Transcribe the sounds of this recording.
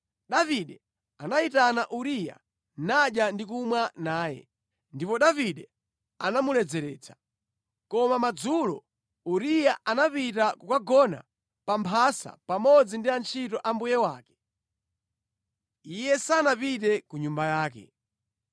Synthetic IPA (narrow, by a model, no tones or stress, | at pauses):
ɗaviɗɛ | anaitanaʔuɾija̰ | naɗjandikumwanaːjɛ̰ | ndipɔɗaviɗɛ | a̰namulɛd͡zɛɾɛːt͡sʰḁ | kɔmamad͡zulɔ̰ | uɾijaʔanapitakukaɡɔna̰ | pampʰasa̰pamɔd͡zindiant͡ʃʰitɔʔambujɛwaːkɛ̥ | ijɛsanapitɛkuɲumbajaːkɛ̰